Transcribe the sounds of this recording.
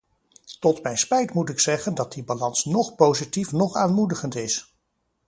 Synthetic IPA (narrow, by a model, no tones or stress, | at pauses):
tɔtmɛjnspɛjtmutɪksɛχəndɑt̚dibalɑnsnɔχpowzitifnɔχaːnmudəχəntɪs